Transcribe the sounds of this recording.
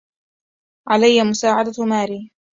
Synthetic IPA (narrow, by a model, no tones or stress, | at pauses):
ʕalajːamʊsaːʕad̪amaːɾiː